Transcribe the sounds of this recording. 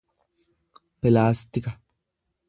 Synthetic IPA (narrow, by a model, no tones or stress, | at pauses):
pɪlaːst̪ɪkɐ